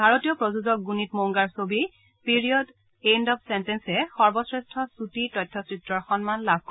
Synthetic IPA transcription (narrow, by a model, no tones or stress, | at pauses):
bʱaɹotijɔpɹozuzɔk̚ɡunitmoŋɡaɹsobi | piɹijɔd | endɔp̚ʰsentɛnsɛxɔɹbɔsɹɛstʰɔsutitɔjtʰːɔsɹitɹɔɹxɔnmanlab̚ʱkɔ